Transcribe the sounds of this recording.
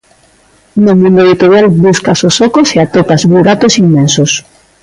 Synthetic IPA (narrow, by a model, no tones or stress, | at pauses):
nomũnd̪oeðit̪oɾjalbuskasosɔkoseat̪opazβuɾat̪osimːensos